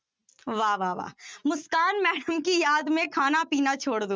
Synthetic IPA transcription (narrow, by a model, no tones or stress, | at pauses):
ʋaːʋaːʋa̰ːmʊskaːnmɛːɖəmkijaːd̪mẽkʰaːnapiːnat͡ʃʰoːɽd̪oː